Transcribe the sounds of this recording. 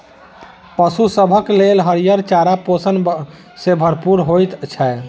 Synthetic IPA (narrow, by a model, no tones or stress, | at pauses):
pəsusəbʱəklelɦəɾijəɾt͡ʃaɾaposən | sebʱəɾpuɾɦojt̪t͡ʃʰɛ